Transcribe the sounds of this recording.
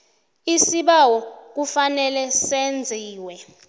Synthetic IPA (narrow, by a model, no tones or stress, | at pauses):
isiɓawɔk̬ufanɛlɛsend͡zʱiːwɛ